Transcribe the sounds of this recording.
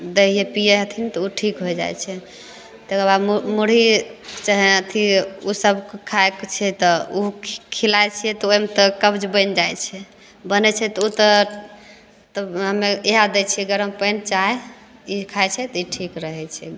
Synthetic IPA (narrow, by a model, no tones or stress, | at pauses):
d̪eijepijeət̪ʰint̪ɔuʈʰikɦoed͡ʒa̰jt͡ʃʰɛ | t̪ekəɾbad̪mmuɽ̤it͡ʃaɦɛət̪ʰiusəbkkʰaekt͡ʃʰɛt̪ɔukʰilaet͡ʃʰiɛt̪ɔojmet̪ɔkəbd͡ʒbənd͡ʒajt͡ʃʰɛ | bənɛt͡ʃʰɛt̪ɔut̪ɔ | t̪əɦəmeeɦad̪ɛt͡ʃʰiəɡəɾəmpənt͡ʃae | ikʰajt͡ʃʰɛt̪ɔiʈʰikɾəɦɛt͡ʃʰɛ